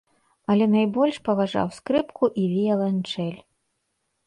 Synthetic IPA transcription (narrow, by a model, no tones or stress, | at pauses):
ɐlʲɛnajbɔlʲʂpɐvaʐa̰wskɾɨpkuʔivʲijɛlˠɐnt͡ʂɛlʲ